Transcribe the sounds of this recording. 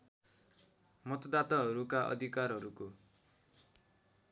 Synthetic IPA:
mʌt̪ʌd̪at̪aɦʌɾukaʔʌ̰d̪ʱikarɦʌɾuko

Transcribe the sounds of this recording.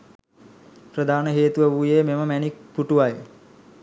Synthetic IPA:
prəd̪ʱaːnəɦeːt̪uʋəʋujememəmænik̚puʈuʋaje

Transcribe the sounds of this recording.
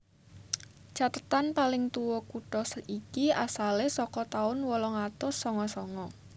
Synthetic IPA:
t͡ʃat̪ət̪anpalɪŋt̪uwɔkuʈɔsəikiasalesɔkɔt̪aʊnwɔlɔŋat̪ʊsːɔŋɔsɔŋɔ

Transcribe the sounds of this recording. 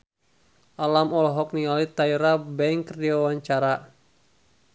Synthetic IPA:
ʔalamɔlɔɦɔk̚niŋalit̪aiɾabɛŋkərdiwawaɲt͡ʃaɾa

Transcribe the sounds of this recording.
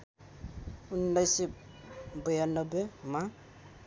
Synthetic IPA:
unːajsi | bəjanʌbema

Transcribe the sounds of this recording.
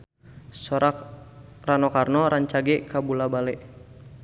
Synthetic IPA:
sɔɾak | ranɔkarnɔɾaɲt͡ʃaɡɛkabulabalɛʔ

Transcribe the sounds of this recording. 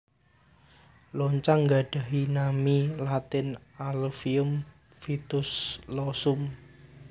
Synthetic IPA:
lɔɲt͡ʃaŋɡaɖ̥a̤ɦinamilat̪ɪn | alfiʊm | fit̪ʊslɔsʊm

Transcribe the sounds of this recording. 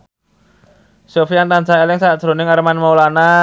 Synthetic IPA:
sofiant̪ant͡ʃaelɪŋsaʔd͡ʒ̥ɾo̤nɪŋaɾmanmalana

